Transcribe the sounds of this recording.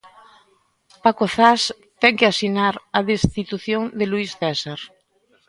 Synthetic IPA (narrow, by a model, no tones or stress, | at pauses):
pakoθas | t̪ɛŋkeasinaɾaðest̪it̪uθjoŋd̪eluisθɛsaɾ